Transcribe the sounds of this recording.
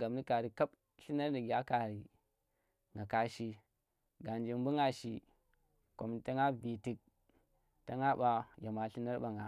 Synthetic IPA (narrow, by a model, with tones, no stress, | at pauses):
ɡa˨mni˦ka˨ɾi˨ka˦b | ɬi˦na˦ɾni˨ɡʲa˦ka˨ɾi˨ | ŋɡa˨ka˨˦ʃi˦ | ɡa˨nd͡ʒi˨m˦bu˦ŋa˦ʃi˨ | ko˨m˨ta˦ŋa˦bi˨ti˨k̚ | ta˦ŋa˦ɓa˨ja˨ma˨ɬi˦na˦ɾɓa˨ŋɡa˨